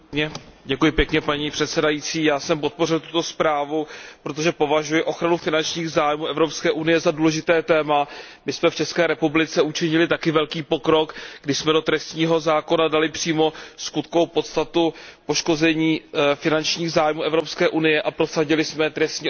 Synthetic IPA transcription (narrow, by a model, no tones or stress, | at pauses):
ɟɛkujɪpjɛkɲɛpaɲiːpr̝̥ɛt̪sɛdajit͡siːjaːsɛmpo̞t̪̚po̞rɪlt̪u̥t̪o̞spɾaːvupɾot̪̬oʒɛpo̞vaʒujɪʔo̞xɾanufɪnant͡ʃɲiːɣzaːjmuːʔɛvɾo̞pskɛːʔunɪjɛzaduːlɛʒɪt̪ɛːt̪ɛːma | mɪsmɛft͡ʃɛskɛːɾɛpublɪt͡sɛut͡ʃɪɲɪlɪt̪akɪvɛlkiːpo̞kɾo̞kɡdɪʃsmɛdo̞t̪ɾɛst̪ɲiːɦo̞zaːko̞nadalɪpr̝̥iːmo̞skut̪koowpo̞t̪st̪at̪upo̞ʃko̞zɛɲiːfɪnant͡ʃɲiːɣzaːjmuːʔɛvɾo̞pskɛːʔunɪjɛʔapɾo̞saɟɪlɪsmɛt̪ɾɛst̪ɲiː